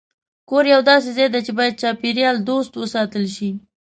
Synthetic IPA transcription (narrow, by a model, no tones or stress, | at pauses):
koɾjawd̪ɑsezed̪at͡ʃebɑjad̪̚t͡ʃɑpiɾjɑld̪ost̪wəsɑt̪əlʃi